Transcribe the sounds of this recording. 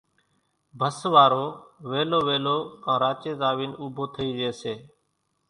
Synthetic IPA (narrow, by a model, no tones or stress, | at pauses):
bʱəsʋaːɾoːʋeːloːʋeːloːãːɾaːt͡ʃeːzaːʋiːnuːbʱoːt̪ʰəiːd͡ʒeːseː